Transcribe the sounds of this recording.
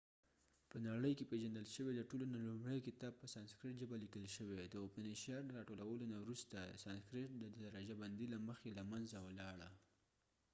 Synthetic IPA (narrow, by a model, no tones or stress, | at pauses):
pənaɽəjkepeʒand̪əlʃəweləʈolonalumɽəjkɪt̪ɑb̚pəsɑnskɾɪʈʒəbalikəlʃəwed̪əopəneʃɑɾd̪əɾɑʈolawəlonawɾust̪asɑnskɾɪʈ̚d̪əd̪d̪aɾɑd͡ʒaband̪ilaməxelamanzawəlɑɽa